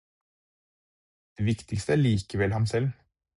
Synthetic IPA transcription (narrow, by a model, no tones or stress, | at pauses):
d̪̥eːʋɪkt̪ʰɪkst̪əæːɭiːkəʋɛlhɑmsɛl